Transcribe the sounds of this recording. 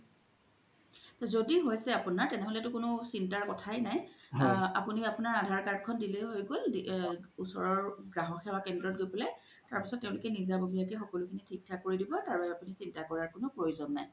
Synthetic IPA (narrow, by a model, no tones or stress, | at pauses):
zodiɦojsɛapʊnaɹtɛnɛɦolɛtʊkʊnʊsintaɹkɔtʰajnaj | a̰puniapʊnaɹadʱaɹkaɹ̚kʰɔndileɦojɡoldusɔ̰ɹɔɹɡɹaɦɔxɛbakɛndɹɔt̚ɡojpɔlɛ | taɹpisɔt̚ːeʊ̃lʊkɛnizabobʱijakixɔkɔlʊkʰinitʰik̚tʰakoɹidibɔtaɹbabɛapunisintakɔɹaɹkʊnʊpɹojuzɔnːa̰j